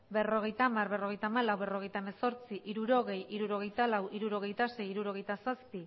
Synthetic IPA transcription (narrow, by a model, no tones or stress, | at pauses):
be̞ro̞ɣ̞e̞jt̪aːmarβe̞ro̞ɣe̞jt̪aːmalawβe̞ro̞ɣe̞jt̪aeme̞so̞ɾt͡siʔiɾuɾo̞ɣ̞e̞jiɾuɾo̞ɣ̞e̞jt̪alawʔiɾuɾo̞ɣ̞e̞jt̪ase̞jiɾuɾo̞ɣ̞e̞jt̪asaspi